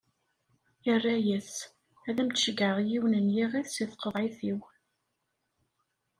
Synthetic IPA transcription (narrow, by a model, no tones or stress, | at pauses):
jərːæjæs | æðæmt̪ʃəɡʕəʁjiwnənjiʁiθsiθqəðˤʕiθiw